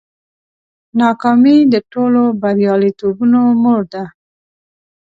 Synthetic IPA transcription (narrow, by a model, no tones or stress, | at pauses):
nɑkɑmid̪əʈolobaɾjɑlit̪obunomʊɽd̪a